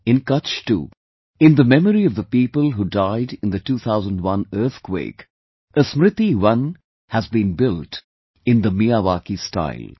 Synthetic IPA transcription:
ɪ̃nkʌt͡ʃʈṵː | ɨ̃nd̪əmɛməɾiʌvðəpiːpəlɦudaɪdɪ̃nd̪ətuːt̪ʰaʊzə̃ndwʌ̃nɜɾt̪kwḛɪk | ʔəsmɾɪt̪iwʌ̃n | həzbĩnbɪlʈ | ɪ̃nd̪əmiaʋaːkista̰ɪlˠ

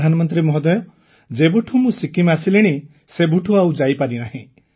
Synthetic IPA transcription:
d̪ʱanɔmɔnt̪ɾimɔɦɔd̪ɔjɔ | d͡ʒebuʈʰumũsikimasileɽ̃i | sebuʈʰuawd͡ʒajpaɾinaɦĩ

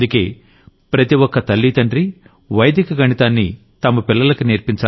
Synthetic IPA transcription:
d̪uke̞ː | pɾɐt̪iwɔkːɐt̪ɐlːit̪ɐɳɖɾi | ʋɐjd̪ikɐɡʱɐɳit̪aːnːḭ | t̪ɐmɐpilːɐlɐkuniɾpiɲt͡ʃa

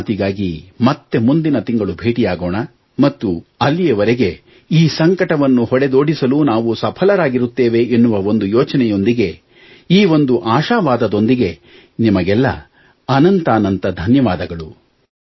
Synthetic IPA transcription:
t̪iɡaːɡimɐt̪ːe̞mund̪inɐt̪iŋɡɐɭubʱe̞ːʈijaːɡoːɳɐ | mɐt̪ːuɐlːijɐʋɐɾeɡe̞ | iːsɐŋkɐʈɐʋɐnːuhɔɽed̪o̞ːɽisɐlunaːʋusɐpʰɐlɐɾaːɡiɾut̪ːeːʋe̞ːnːuʋɐo̞nd̪ujɔːt͡ʃɐnɛjo̞nd̪iɡe̞ | iːʋond̪uʔaːʃaːʋaːd̪ɐd̪o̞nd̪iɡe̞ | nimɐɡɛlːɐ̰ | ɐnɐnt̪aːnɐnt̪ɐd̪ʱɐnjɐʋaːd̪ɐɡɐɭu

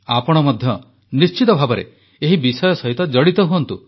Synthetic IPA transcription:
apɔɽ̃ɔmɔd̪ʱjɔ | nist͡ʃit̪ɔbʱabɔɾḛ | eɦibisɔjɔsɔɦit̪ɔd͡ʒɔɽit̪ɔɦuɔnt̪u

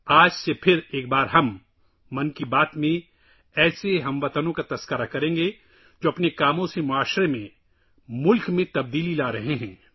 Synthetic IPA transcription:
aːd͡ʒsepʰɪɾeːk̚baːɾɦɐmː | ɐnkibaːt̪mẽ | ɛːseɦɐ̃mʋɐt̪ənõkat̪ɐskəɾakɐɾẽːŋɡe | d͡ʒoːɐpnekaːmõsemʊaːʃɾemẽ | mʊlkmẽt̪ɐb̚d̪iːlilaːɾɐɦeɦɛ̃ː

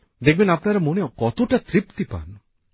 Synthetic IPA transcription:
d̪ek̚ʰbinapnaɾemoneɔkɔt̪ʰoʈat̪ɾipt̪ipa̰n

